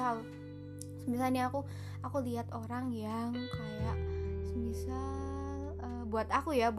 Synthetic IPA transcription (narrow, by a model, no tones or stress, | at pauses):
al | səmis̬alɲaːku | akuliɦat̪oɾaŋjaŋkajaʔsəmisal | əbuat̪akujab